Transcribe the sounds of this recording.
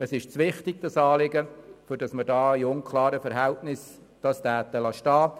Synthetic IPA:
əsɪʃt͡sʋɪχtɪɡ̚d̥ɑsɑːlɪɡəfʏɾd̥ɑsmədɑːiʊnkʰlɑːɾəfɛɾɦæltnɪs | d̥ɑstæːt̪əlɑʃtɑː

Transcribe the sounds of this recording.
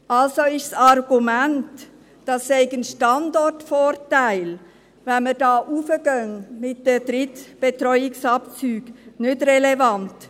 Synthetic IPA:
ʔɑlsoɪʃsɑɾɡumænt | d̥ɑsːɛɪɡənʃtɑndɔrtfɔːɾtæɪl | vɛnmədɑːʔufəɡ̥œnmɪt̚d̥əd̥ɾɪtb̥etɾɔʏɪksɑpt͡syːɡ̥nʏdrɛlɛvɑnt

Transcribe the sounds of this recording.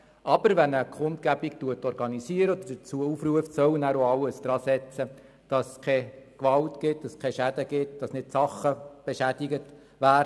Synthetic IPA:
ʔɑbəɾʋɛnəkʰʊntkæbik̚tuətɔɾɡɑnisiəɾəɔd̪əd̥ət͡suəufruəftsœwnæːɾoɑlːəsd̥̪ɾɑːsɛt͡sə | d̥ɑskʰɛkʋɑltɡɪt̚d̥ɑskʰɛʃæd̥̪əɡɪtd̥ɑsnɪdsɑχəb̥eʃædiɡət | ʋæːɾ

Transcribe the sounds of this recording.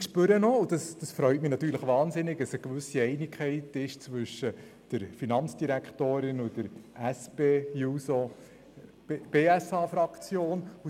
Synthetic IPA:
ʃpʏɾənɔʊd̥ɑsd̥ɑsfɾœʏtmɪnɑtːyːɾləχʋɑːnzɪnɪɡəsəkʋʏsiɛɪnɪkχɛɪtɪʃt͡svʋʏʃə | d̥əɾfinɑnt͡sd̥iɾækχtoːɾɪnʊd̥əɾæspejuso | b̥eːæsɑːfɾɑkt͡sjoːnu

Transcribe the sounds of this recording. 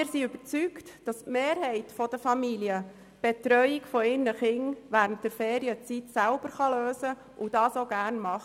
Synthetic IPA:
ɪɾsiʉbəɾt͡syktd̥ɑstmeːɾhɛɪtfɔd̥əfɑmiliə | b̥ɛtɾœʏikfɔɪɾnəχɪŋʋæːɾənt̚d̥ɛɾfeːɾiət͡sitsælb̥əɾχɑløːzə | ʔud̥ɑːsoɡæːɾnmɑχ

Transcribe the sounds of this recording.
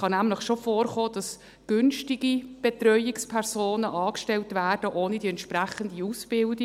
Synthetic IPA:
χɑnæmləχʃofoːrχoːd̥ɑs | ɡ̥ʏnʃtiɡib̥ɛtrœʏɪkspʰɛrsoːnəʔɑːkʃtɛltʋæːrd̥əʔoːnidiɛntʃpɾæχəndiusb̥ɪldi

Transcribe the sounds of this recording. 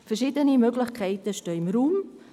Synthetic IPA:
fɛrʃiːdənimøɡlɪχkʰɛɪtəʃtøːɪmɾuːm

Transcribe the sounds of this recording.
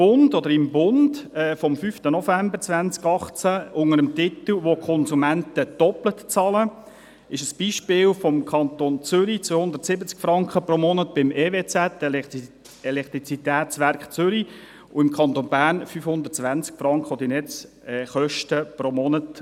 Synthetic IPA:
b̥ʊndɔd̪əɾɪmbʊnd̥ɛːfɔmfyft̪ənɔfæmbəɾt͡sʋænt͡skɑχt͡sæʊŋəɾəmt̪ɪt̪l̩ʋokʰχɔnsumæntəd̥ɔplətt͡sɑlə | ɪʃəsb̥iːʃpɪːlfɔmkʰɑnt̪oːnt͡sʏɾit͡sʋøhʊnd̪ərtsɪbət͡skfɾɑŋkχəpromɔnətb̥ɪmeːveːt͡sæt̪ː | ɛlɛkt̪ɾit͡sit̪æːtt͡sʋæɾkχt͡sʏɾi | ʊɪmkʰɑnt̪onbæːɾnfyfhʊnd̪ərtt͡sʋænt͡skfɾɑŋkχəɔd̥̪inɛt͡s | ɛːχœʃtəpɾomɔnət

